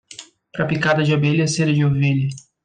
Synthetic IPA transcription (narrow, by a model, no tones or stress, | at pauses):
pɾɐpikad̪ɐd͡ʒɪobeʎɐseɾɐd͡ʒɪoveʎɐ